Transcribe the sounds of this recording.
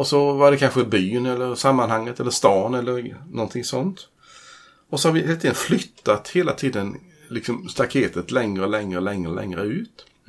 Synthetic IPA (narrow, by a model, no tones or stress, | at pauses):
ɔsɔvaɾɖɛkʰanɧəbyːnɛlːəɾsamːanhaŋːət̪ɛlːəʂst̪ɑːnɛlːəɾnɔnt̪ʰɪŋsɔnt̪ | ɔsɔhaɾvɪheːlt̪iːd̪ənflʏt̪ːat̪heːlat̪ʰiːd̪ən | lɪksɔmst̪akʰeːt̪ət̪lɛŋɾəɔlɛŋɾəlɛŋɾəlɛ̰ŋɾə̰ʉ̟ːt̪